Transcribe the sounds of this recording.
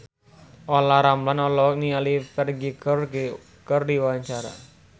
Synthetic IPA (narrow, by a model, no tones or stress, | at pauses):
ʔolaɾamlanɔlɔk̚nialipɛrɡikər | kərdiwaɲt͡ʃaɾa̰